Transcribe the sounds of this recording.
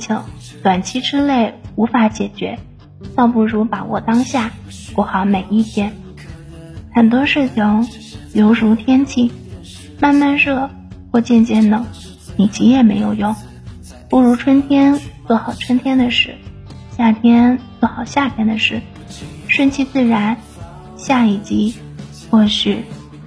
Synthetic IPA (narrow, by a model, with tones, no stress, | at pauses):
t͡ɕʰi˧˥ŋt̪wa˨˩nt͡ɕʰi˥ʈ͡ʂɻ̩˥le˥˩ɪu˧˥fa˧˥t͡ɕjɛ˨˩t͡ɕɥɛ˧˥ | t̪ɑ˥˧ʊpu˥˩ɻu˧˥pa˧˥wɔ̰˨˩t̪ɑ˥ŋɕja˥˩ | kɔ˧˩xɑ˧˥ʊme˨˩ɪi˥˩t̪ʰjɛ˥n | xə˨˩nt̪̬wɔ˥ʂɻ̩˥˩t͡ɕʰi˧˥ŋ | jo˧˥ʊɻu˧˥t̪ʰjɛ˥nt͡ɕʰi˥˩ | ma˥˧nma˥˧nɻɤ˥˧ | xwɔ˥˧t͡ɕjɛ˥˧nt͡ɕjɛ˥˩nnɤ˨˧˩ŋ | ni˨˩t͡ɕi˧˥jɛ˥˩me˧˥ɪjo˨˩ʊjʊ˥˩ŋ | pu˥˩ɻu˧˥ʈ͡ʂʰwə˥nt̪ʰjɛ˥nt͡swɔ˥˩xɑ˨˩ʊʈ͡ʂʰwə˥nt̪ʰjɛ˥nd̪ə˨ʂɻ̩˥˩ | ɕja˥˩t̪ʰjɛ˥nt͡swɔ˥˩xɑ˨˩ʊɕja˥˩t̪ʰjɛ˥nd̪ə˨ʂɻ̩˥˩ | ʂwə˥nt͡ɕʰi˥˧t͡sɹ̩˥˩ɻa˧˥n | ɕja˥˧i˥˩t͡ɕi˥ | xwɔ˥˧ɕy˥˩